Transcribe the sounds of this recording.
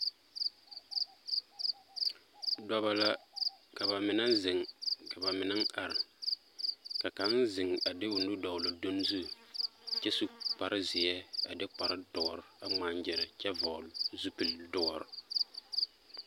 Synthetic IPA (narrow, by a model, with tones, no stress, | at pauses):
dɔ˨βa˨la˨ka˨ba˨mɪ˨na˦n˦zɪ˨ŋka˨ba˨mɪ˨na˦ŋ˦a˨ɾɪ˨ | ka˨ka˨˦nzɪ˨ŋa˨dɪ˦wʊ˨n˦dʊ˦dɔ˨ʊ˨la˨do˦n˦zu˦ | t͡ʃɛ˦su˦k͡pa˨ɾɪ˦zɪ˨jɛ˦a˨dɪ˦k͡pa˨ɾɪ˦dɔ˨˦˨ɾa˦ŋ͡maː˦nd͡ʒɪ˨ɾɪ˨t͡ʃɛ˦vɔ˨lzu˦pi˨ldɔ˦˨ɾ